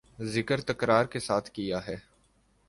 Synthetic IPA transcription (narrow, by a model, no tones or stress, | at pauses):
zɪkəɾt̪ɐkɾaːɾkesaːt̪ʰkijaɦɛː